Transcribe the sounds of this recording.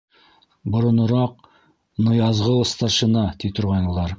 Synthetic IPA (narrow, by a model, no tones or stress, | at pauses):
bŏɾŏnŏɾɑq̚ | nɤ̆jɑzʁɤwɤ̆st̪ɑɾʃɤ̆nɑt̪it̪ŏɾʁɑnulˠɑɾ